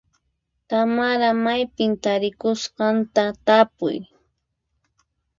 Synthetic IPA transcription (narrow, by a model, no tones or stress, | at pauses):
t̪amaɾamajpɪnt̪aɾɪkʊsqɑnt̪at̪apʊ̰j